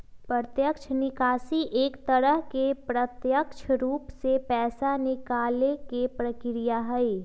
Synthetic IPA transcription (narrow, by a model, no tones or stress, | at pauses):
pɾət̪jəkʃʰnɪkaːsiʔeːkt̪əɾəɦkepɾət̪jəkʃʰɾuːpsepɛːsanɪkaːlekepɾəkɾijaɦɛe